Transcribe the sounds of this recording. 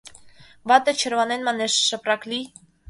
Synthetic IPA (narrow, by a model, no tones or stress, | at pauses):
vɑt̪ət͡ʃʰəɾvɑnɛnmɑnɛʃːəprɑkli